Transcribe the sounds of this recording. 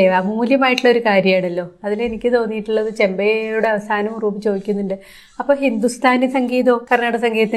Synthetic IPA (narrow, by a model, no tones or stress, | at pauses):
eʋamuːljɐmaːjiʈːuɭːɐo̞ɾukaːɾjɐmjaːɳɐlːo̞ːɐðile̞nikʲːɨt̪o̞ːnːijiʈːuɭːɐðɨt͡ɕe̞mbejjuɽe̞ɐʋɐsaːnɐmruːbɨt͡ɕo̞ːðikʲːunːuɳɖɨ | ɐpːo̞ːɦind̪ust̪ʰaːnesɐŋɡiːðoːkɐrnaːɽɐsɐŋɡiːɐt̪ː